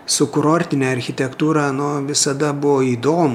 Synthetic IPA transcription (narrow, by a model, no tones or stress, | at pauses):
sʊkʊɾoːɾʲt̪ʲɪnʲɛːɐɾʲxʲɪt̪ʲɛkt̪uːɾɑːnʊʋʲɪsɐd̪ɐbʊʋoːiːd̪oːm